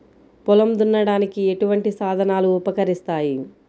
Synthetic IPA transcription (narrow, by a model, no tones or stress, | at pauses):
pulɐmd̪unːɐɽaːnikie̞ʈuʋɐɳʈisaːd̪ʱɐnaːluːpɐkɐɾist̪aːji